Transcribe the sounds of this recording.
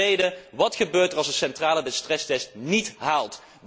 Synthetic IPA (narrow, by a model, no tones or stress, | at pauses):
ejdəʋɑtχəbøːɹtərɑlˠzsəsɛntraːləbɛtstrɛstɛstnitɦaːlˠt